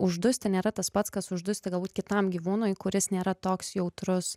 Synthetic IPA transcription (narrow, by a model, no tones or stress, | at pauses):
ʊʒd̪ʊsʲt̪ʲɪnʲeːɾɐt̪ɐspɐt̪skɐsʊʒd̪ʊsʲt̪ʲɪɡɐlˠbuːt̪̚ʲkʲɪt̪ɐmɡʲiːʋuːnoːjkʊɾʲɪsnʲeːɾɐt̪oːksjɛʊt̪ɾʊs